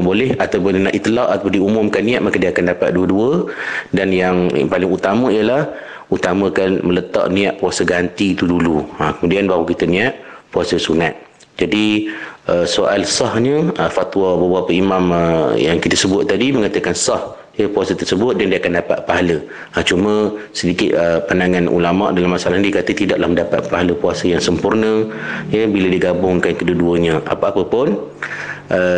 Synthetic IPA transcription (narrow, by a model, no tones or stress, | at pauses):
bolɛhat̪awpʊnənaʔit̪ilɑʔat̪apʊniumʊmkanːĩaʔ̪̚makadiəakandapa̰t̪̚duəduədanjaŋ̰palɪŋut̪aməijəlah | ut̪amə̃kanmələt̪ɑ̰ʔnĩaʔpuasəɡant̪it̪uduluakəmudianbaɦwakit̪ənĩaʔpuasəsunat̪̚ | d͡ʒadiəsoʔalsɑhɲəəfat̪wɔbəbapəimaməjaŋkit̪əsəbʊt̪̚ːadiməŋat̪əkansɑh | jəpuasət̪ərsəbʊt̪̚dandiəakandapa̰t̪̚paɦaləː | t͡ʃumə̃sədikɪt̪̚əpandaŋãnʔṵlama̰ʔdalamːasalaɦnidikat̪ət̪idaʔlahməndapa̰t̪̚paɦaləpuasəjaŋsəmpʊrnəjəbilədiɡabʊŋkankədəduəɲə̃ʔa̰pəapəpʊn | ʔə